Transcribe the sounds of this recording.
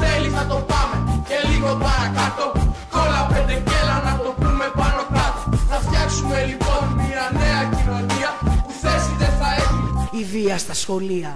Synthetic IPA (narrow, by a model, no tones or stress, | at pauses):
θeliθɐt̪o̞pɐme̞ce̞liɣo̞pɐɾɐkɐt̪o̞ | olɐpend̪eɟe̞lɐnɐt̪o̞pɾume̞pɐnokɾɐt̪oθɐft̪çɐksume̞lipo̞nmiɐne̞ɐcilo̞niɐpuθe̞siðeθɐexuniviɐst̪ɐsxo̞liɐ